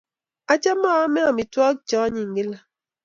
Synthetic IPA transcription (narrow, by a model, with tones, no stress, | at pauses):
a˦t͡ʃɛ˦mɔ˦˨a˦mɛ˦a˨mi˨tɔ˦t͡ʃɔ˦ɲi˨ŋ̩˨ɡe˦la˨